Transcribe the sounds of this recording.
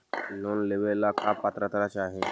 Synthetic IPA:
noːnleʋelakʰapːat̪ɾat̪ɾat͡ʃaːɦe

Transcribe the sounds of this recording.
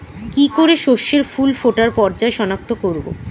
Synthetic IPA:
kikoɾeʃoʃːeɾfulfoʈaɾpɔɾd͡ʑaeʃɔnak̚t̪ʰokoɾbo̰

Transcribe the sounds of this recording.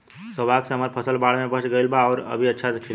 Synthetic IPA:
səbaksəməɾpʰəsəlbaɽmebəsɡəilbaɔːɾə̰bʱiətːʃʰasekʰi

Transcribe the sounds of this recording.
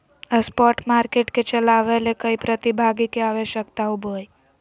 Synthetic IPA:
əspɔʈmaɾkeʈket͡ʃəlaʋelekəipɾət̪ibʱaɡikeaʋeʃəkt̪aubʱoj

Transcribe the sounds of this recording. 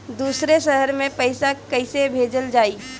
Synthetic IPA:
d̪uːsɾeʃəɦəɾmẽpəɪsakɐɪsebʱeːd͡ʒəld͡ʒaːi

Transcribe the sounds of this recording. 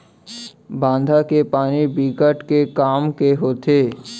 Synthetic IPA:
bãːnd̪ʱakepaːnibiːkəʈkekaːmkeɦoːt̪eː

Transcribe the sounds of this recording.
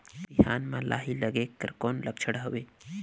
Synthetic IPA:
tihaːnmãlʔa̰ːɦiləɡekə̰ɾkoːnlək̚t͡ʃʰəɽɦɐʋeː

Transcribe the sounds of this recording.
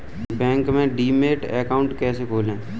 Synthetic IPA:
bɛ̃ːŋkmẽɖiːmeːʈɛːkaʊ̃ɳʈkɛːsekʰoːlẽː

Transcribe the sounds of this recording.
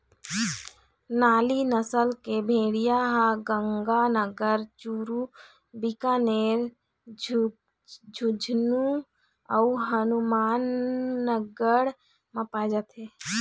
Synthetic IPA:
naːlinəsəlkebʱeːɽijaɦaɡə̃ŋɡanəɡəɾt͡ʃuɾu | bikaneɾ | d͡ʒ | d͡ʒʱud͡ʒʱnu | əuɦənumaːnːəɡəɽ | məpad͡ʒət̪ʰɦe

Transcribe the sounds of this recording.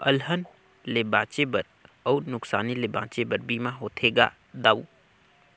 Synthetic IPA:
əlɦən | lebãːt͡ʃebəɾ | əwnʊksaːnilebã̰t͡ʃebəɾbimaɦot̪ʰeɡa̰ | d̪aw

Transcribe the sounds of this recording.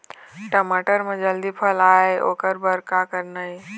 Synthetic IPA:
ʈəmaːʈəɾmẽd͡ʒəld̪ipʰəlaːeʔo̰ːkəɾbəɾkakəɾnai

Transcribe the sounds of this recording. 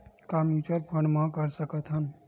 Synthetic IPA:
kamjuːt͡ʃəɾpʰə̃ɳɖmãkəɾsəkət̪ʰɦən

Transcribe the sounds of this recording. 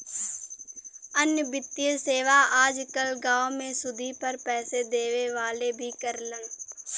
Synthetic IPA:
ənjəbɪt̪ːiəlseːʋaaːd͡ʒkəlɡãːomẽsʊd̪ʱipəɾpɛːsed̪eːʋeʋaːlebʱikəɾlən

